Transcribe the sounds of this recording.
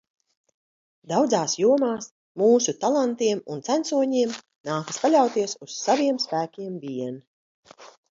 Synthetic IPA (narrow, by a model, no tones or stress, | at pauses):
d̪awd̪zaːsjuɔmaːs | muːsut̪alˠant̪iɛmunt̪sænt̪suɔɲiɛm | naːkaspalʲawt̪iɛsusːaviɛmspæːkʲiɛmvʲiɛn